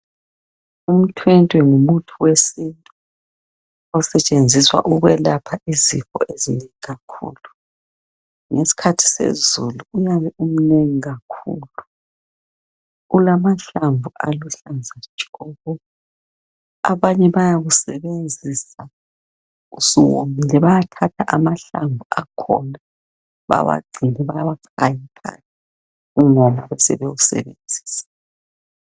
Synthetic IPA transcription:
um̩tʰwɛntʼwɛŋumutʰuwesintʼu | ɔsɛt͡ʃʼend͡zʱiswa̰ʔuɣwɛlapʰaizixɔ̰ʔezineŋiɣakʰṵːlu | ŋesi̥kʰatʰi̥sḛzuluujaβɛum̩neŋiɣakʰṵːlu | ulamaɬaɱbvʱuʔa̰luɬand͡zʱḁʒ̥ʱɔːɣɔ | a̰βaɲɛβajaɣusɛβend͡zʱisa | ṵsiwo̰milɛβajatʰatʰaʔamaɬaɱvʱuakʰɔ̰na | βa̰βa̰ɡ͡ǀʱinɛβajaβakʰajikʰa̰nɛ | uŋɔmaβɛsɛ̰βewusɛ̰βend͡zʱi̥ːsɛ̥

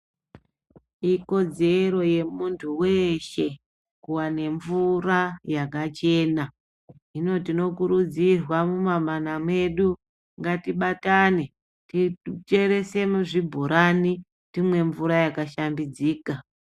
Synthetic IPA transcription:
iko̞d͡ze̞ɾo̞je̞muntʰuweʃe̞ | kuwane̞ɱvurajakat͡ʃe̞ːna | ɦino̞tino̞kuɾud͡zirwamumamanamwe̞ɗu | ŋɡatiɓatane̞ | tit͡ʃe̞ɾe̞se̞muʐibʱuɾani | timwe̞ɱvuɾajakaʃambid͡ziːka

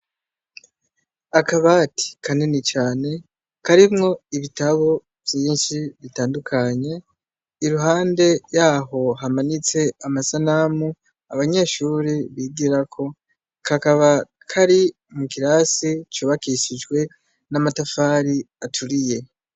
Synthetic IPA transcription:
akaβati̥kʰanenit͡ʃaːne̞ | kaɾimŋo̞iβitaβo | v̥jiːnʃiβitaːndukʰaɲe̞ | iɾuɦaːnde̞jaːɦo̞ɦamanit͡se̞amasanamu | aβaɲe̞ːʃuːɾiβiɡiɾakʰo̞ | kakaβa | kʰaɾi | mukiɾasit͡ʃuːβakiʃid͡ʒɡwe̞ | namatafaːɾi | atʰuɾije̞

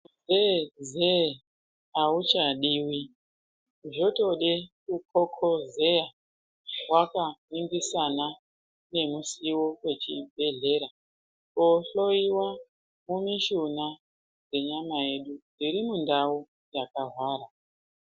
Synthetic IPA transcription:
zeze | aut͡ʃaɗiːwi | ʐo̞to̞ɗekukʰokʰozeja | wakamiŋɡisana | ne̞musiwowe̞t͡ʃibʱe̞ɮe̞ːɾa | koɬo̞iwa | mumiʃuna | d͡ze̞ɲamae̞ɗuniɾimundau | jakaɦwaːɾa

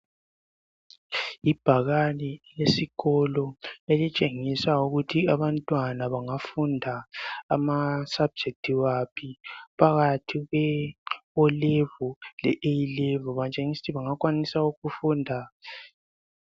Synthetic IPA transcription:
ib̥ʱaɣalɛlesiɣɔlɔelit͡ʃʼeŋisauɣutʰiaβantʼwanaβaŋafundʱaːmasab̥̚d͡ʒʱek̚tʰiwapʰipʰaɣatʰiɣwɛ | ɔlevulɛʔejilevɔβat͡ʃʼeŋisi̥tʰiβaŋakʼwanisauɣufundʱa

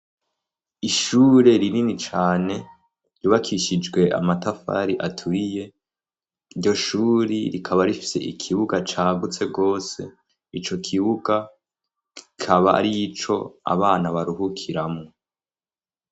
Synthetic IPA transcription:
iʃuːɾe̞ɾininit͡ʃaːne̞ | ɾuβakʰiʃid͡ʒɡwe̞ʔa̰matafa̰ɾiʔatʰuɾije̞ | iɾɟo̞ʃuːɾiɾikʰaβaɾifi̥se̞̰ikʰiβuɡat͡ʃaːɡut͡se̞ɡo̞ːse̞̰ | it͡ʃo̞kʰiβuɡa | kikʰaβaa̰ɾit͡ʃo̞̰a̰βaːnaβaɾuhukʰiɾamŋo

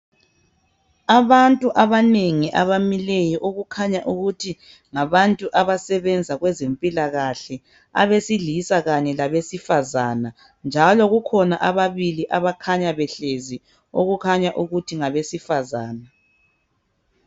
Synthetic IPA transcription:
aβantʼuʔaβaneŋiʔaβamilɛjɔʔoɣukʰaɲaʔuɣutʰi | ŋaβantʼuʔaβasɛβɛnd͡zʱaɣwɛzempʼilaɣaɬɛ | a̰βesiɮisaɣaɲɛlaβesifazana | nd͡ʒʱalɔɣukʰɔna̰ʔaβaβiliʔaβakʰaɲaβɛɬezi | oɣukʰaɲaʔuɣutʰiŋaβesifazaːna

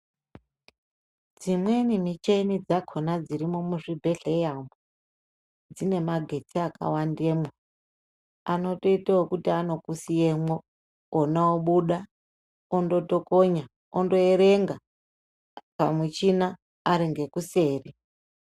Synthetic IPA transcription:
d͡zimwe̞nimit͡ʃenid͡zakʰonad͡ziɾimomuʐibʱe̞ɬejambo | d͡zine̞maɡʱe̞tʰiaka̰wandemwo | ano̞to̞itawokutiano̞kusijemwoː | naoɓuɗa | ondo̞to̞koɲa | ondo̞eɾe̞ŋɡa | pamut͡ʃinaː | ɾiŋɡe̞kuseːri

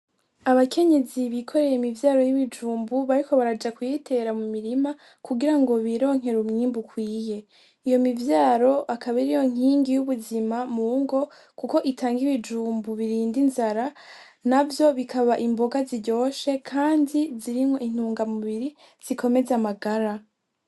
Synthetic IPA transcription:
aβakʰe̞ɲe̞ziβikʰo̞ɾe̞je̞imivjaːɾo̞jiβid͡ʒuːmbuβaɾikʰo̞βaɾad͡ʒakwujitʰe̞ɾamumiɾima | kuɡiɾaŋɡo̞βiɾo̞ːŋ̥ɦe̞ɾumɲiːmbukwiːje̞ | ijo̞mivjaːɾo̞akʰaβiɾijo̞ŋ̥iːŋɡijuβuzimamuŋɡo̞ | kuko̞ʔitaːŋɡiβid͡ʒuːmbuβiɾiːndinzaɾa | navjo̞βikʰaβaʔimbo̞ɡaziɟo̞ːʃe̞kʰaːndiziɾimho̞ʔin̥huːŋɡamuβiɾi | z̥ikʰo̞me̞zamaɡaɾa

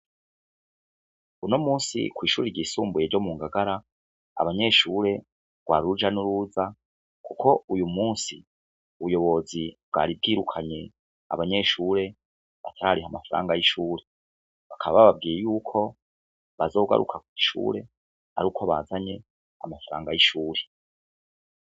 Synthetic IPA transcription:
unomuːnsḭkwiːʃuːɾeɾɟisuːmbuje̞ɾɟo̞muːŋɡaɡaɾa | a̰βaɲe̞ʃuːɾe̞ | ɡwaːɾud͡ʒanuɾuːza | kukʰo̞ujumuːnsi | uβujo̞βo̞zibɡa̰ːɾib̚ɡiːɾukʰaɲe̞ | a̰βaɲe̞ːʃuːɾe̞ | βa̰tʰaɾaɾiɦamafaɾa̰ːŋɡajiʃuːɾe̞ | βakʰaβaβaβab̚ɡiːjejuːkʰo̞ | βazo̞ːɡa̰ɾṵkʰakwu̥iʃṵːɾe̞ | a̰ɾuːkʰoβaːzaɲe̞ | a̰mafaɾa̰ːŋɡajiʃuːɾe̥

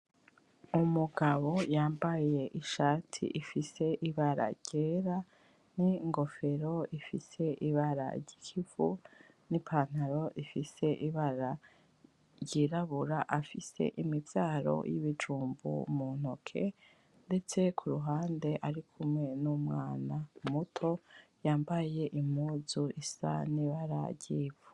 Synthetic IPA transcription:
umuɡaβo̞jaːmbaje̞ʔiʃaːtʰḭʔifise̞ʔiβaɾa̰ɾɟ̥eːɾa | niŋɡo̞fe̞ɾo̞ifise̞ʔiβaɾa̰ɾɟi̥kʰivu | nipʰaːn̥aɾo̞ʔifise̞ʔiβaɾa | ɾɟiɾaβuɾaʔafise̞̰ʔimibjaːɾo̞̰jiβid͡ʒuːmbṵmun̥okʰe̞̰ | nde̞t͡se̞kʰuɾuɦaːnde̞ʔaɾikʰumŋe̞numŋaːnamutʰo̞jaːmbaje̞ʔim̥uːzuisa̰niβaɾa̰ɾɟiːvu̥

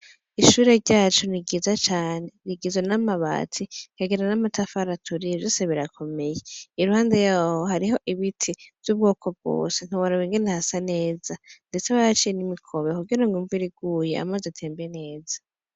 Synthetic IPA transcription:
iʃuːɾe̞ɾɟaːt͡ʃoniɡizat͡ʃaːne̞ɾiɡizwanamaβa̰ːtʰikaɡiɾanamatafaɾatʰuɾivjoːseβiɾakʰo̞me̞jeiɾuhaːnde̞jaːhoɦaɾiɦo̞ʔiβitʰiv̥jub̚ɡo̞ːkʰo̞b̚ɡ̥o̰ːse̞n̥uwaɾaβiŋɡenehasane̞ːzande̞t͡sewaɾat͡ʃijenimikʰo̞βekuɡiɾoŋuɱviɾiɡ̥uːje̞a̰mazetʰe̞ːmbene̞ːza

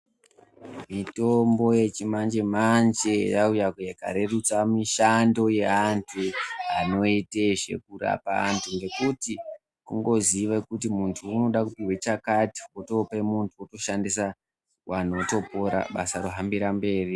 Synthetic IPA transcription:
mito̞mbo̞je̞t͡ʃimand͡ʒe̞mand͡ʒe̞jaujakujeka̰ɾe̞rut͡samiʃando̞je̞ɦantʰuano̞iteʐe̞̰kura̰pa̰ɦa̰ntʰuŋɡe̞kuti | kuŋɡo̞ziʋakut̬imuntʰuːno̞ɗakupiwet͡ʃakati̥woto̞pemuntʰuoto̞ʃandisa | wano̞to̞poɾa̰ɓa̰saɾoɦambiɾambe̞ːri

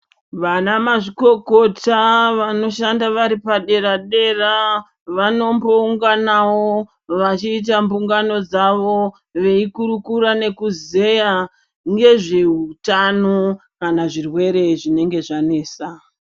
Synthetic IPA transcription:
ʋanamaʐiko̞ko̞taʋano̞ʃandaʋaɾipaɗe̞ɾaɗe̞ra | ʋano̞mbo̞uŋɡanawo | ʋat͡ʃiːt̬ambuŋɡano̞d͡zaʋo̞ | ʋe̞ikuɾukuɾane̞kuze̞ja | ŋɡe̞ʐe̞ɦutanokanaʐirwe̞ɾe̞ʐine̞ŋɡe̞ʐane̞ːsa

